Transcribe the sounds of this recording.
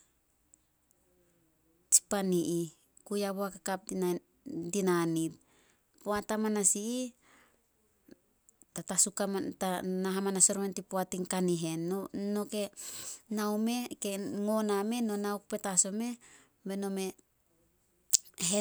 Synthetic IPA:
t͡ʃi̥paniʔi | kujaβoakakap̚a | dinanit̚ | poatamanasiː | tatasukamatanaɦamanasoɾomentipoatiŋkaniɦe̞nːono̞ke̞nawme̞keŋo̞name̞nonawkupe̞taso̞me̞ | beno̞me̞ | ɦe

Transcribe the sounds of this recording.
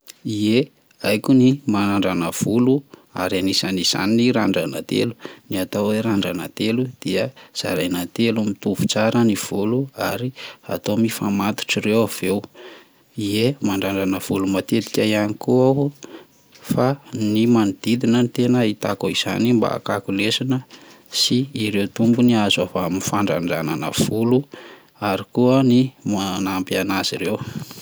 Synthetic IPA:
ie | ajkunimanaɳɖ͡ʐanəv̥ulua̰ɾanisaniz̥a̰niniɾaɳɖ͡ʐana̰t̪ḛluniat̪awweɾaɳɖ͡ʐana̰t̪elud̪̥iəz̥a̰ɾajnat̪elumit̪uvu̥t͡saɾəniv̥uluaɾia̰t̪omifamat̪u̥ʈ͡ʂirewav̥ew | iemaɳɖ͡ʐaɳɖ͡ʐanəv̥ulumat̪et̪i̥kʲaianikuaw | fanimanid̪̥id̪inənit̪enəit̪akoiz̥a̰nimba̰a̰kakulesinə | siːɾewt̪umbuniazavamifaɳɖ͡ʐa̰ɳɖ͡ʐana̰nə̰v̥ulu | aɾikuənimanampianaz̥iɾew

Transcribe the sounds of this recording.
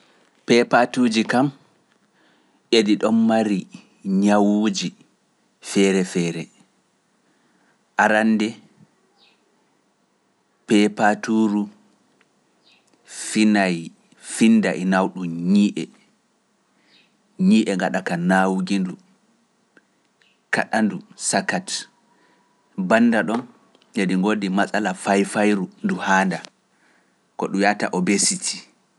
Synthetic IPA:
pɛpatuːd͡ʒikam | ʔediɗɔmːaɾi | ɲawud͡ʒi | fɛɾɛfɛɾɛ | ʔaɾanːdɛ | pɛpatuɾu | finaj | finːdaʔinawɗuɲiːʔɛ | ɲiːʔɛŋɡaɗakanawɡindu | ka̰ɗandusakat | banːdaɗɔn | jediŋɡodimasʼalafajfajɾunduhaːnda | kɔɗujata̰ʔɔbesitʰi̥

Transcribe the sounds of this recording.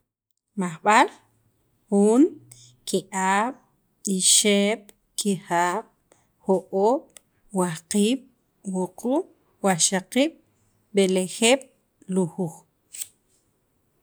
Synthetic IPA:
maχɓal | xuːŋ | kiʔaːɓ̥ | iʃeːɓ̥ | kʰihaːɓ̥ | hoʔoːɓ̥ | wahqiːɓ̥ | wuqu | waʃaqiːɓ̥ | ɓelexeːɓ̥ | luhux

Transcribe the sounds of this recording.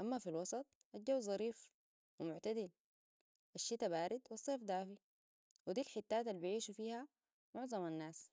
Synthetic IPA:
ʔamːafilwɑsˤɑt̪̚ˤʔad͡ʒawːzˤɑɾiːf | wimʊʕt̪ad̪il | ʔaʃːit̪abaːɾid̪wɑsˤːeːfd̪aːfi | wid̪iːlħɪt̪ːaːt̪alːibiʕiːʃufiːha | mʊʕzˤɑmanːaːs

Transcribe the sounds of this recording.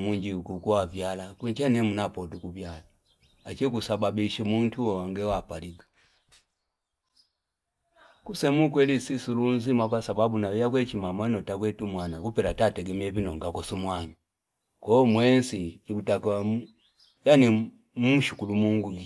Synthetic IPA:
muɲd͡ʒikukuwavjalakwit͡ʃanɛmunapɔtukuvjala | at͡ʃikusababiʃimuntʰuɔwaŋɡɛwapaliɡḁ | kusɛmukwɛlisisulunzimakwasababunawijak̬wɛt͡ʃimamanɔtak̬wɛtumwanakupɛɾatatɛɡɛmiɛvinɔŋɡakɔsumwaɲu | kɔmwɛnsiikutakawa | jani | muʃukulumuŋɡui

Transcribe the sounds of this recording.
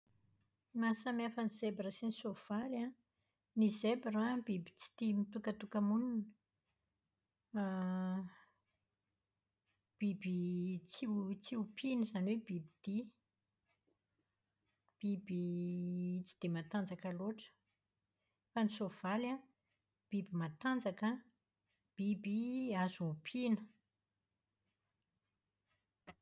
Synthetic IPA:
masamafənizebiɾəsinisov̥alã | nizebiɾabibi̥t͡si̥t̪imit̪ukət̪ukəmunun | b̥ibit͡sit͡siupʰinizaniwebibid̪̥i | b̥ibi | t͡si̥d̪̥emat̪and͡zakəloʈ͡ʂə̥ | fanisov̥ala | b̥ibimat̪and͡zakə | b̥ibiazuupʰinə̥

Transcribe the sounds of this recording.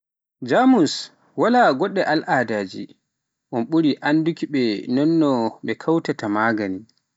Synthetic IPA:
d͡ʒamus | walaːɡɔɗːɛʔalʔaːdaːd͡ʒḭ | ʔɔnɓuɾiʔandukiɓɛnɔnːɔɓɛkʰawtatamaːɡani

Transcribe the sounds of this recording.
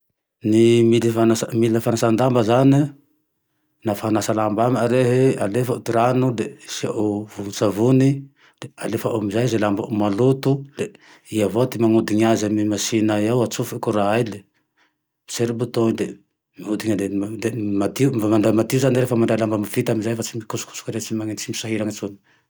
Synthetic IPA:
nimilifanasmiləfanasand̪ambəzani | nafaanasalambaməɾeɦealefəut̪iɾanud̪esiavunsavuni | d̪̥ea̰lefəʔamizajzelambamalut̪ule | iavot̪imaŋud̪iɲazamimasinaawat͡sufikuɾaajle | seɾibut̪od̪e | miud̪iɲad̪ed̪emat̪iumaɳɖ͡ʐajmat̪iuzaniɾefəmaɳɖ͡ʐajlambamivit̪aminzajfat͡simikusu̥ku̥su̥kaɾet͡simaŋinimisaɦiɾaŋat͡suni̥

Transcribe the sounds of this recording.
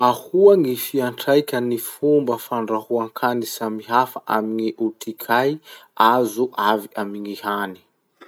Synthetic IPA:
ahuaŋifiaɳʈ͡ʂajkʲənifumbəfaɳɖ͡ʐahuaŋkʰanisamiɦafaʔamiŋiʔut̪ʰikʰajazuʔaviamiŋihani̥

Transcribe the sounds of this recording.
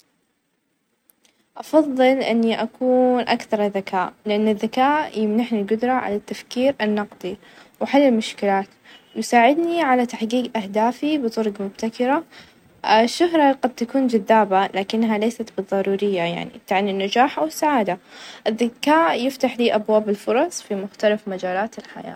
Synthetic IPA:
ʔɑfɑðˤːɨlʔɪ̰nːiʔakuːnʔa̰kθɑɾˤðakaːʔlɪʔanːɪðːakaːʔjɪmnaħnilɡʊd̪ɾˤɑʕa̰lat̪ːafkiːɾanːɑqd̪ˤi | wħalːɪlmʊʃkɪlaːt̪ | wjsaːʕɪd̪niʕalat̪aħɡiːɡʔahd̪aːfibɨt̪ˤʊɾˤɡmʊb̚t̪akɪɾa | ʃːʊɦɾˤɑɡɑd̪̚t̪akuːnd͡ʒaðːaːbalaːkɪnːɦalejsat̪bɨðˤːɑɾˤuːɾɪjːaja̰ʕnḭt̪aʕnɪnːad͡ʒaːħʔawɪsːaʕaːd̪aʔɪðːakaːʔjɪft̪aħliːʔabwaːbɪlfʊɾˤɑsˤfimʊxt̪alafmad͡ʒaːlaːt̪ɪlħa̰ja̰ː

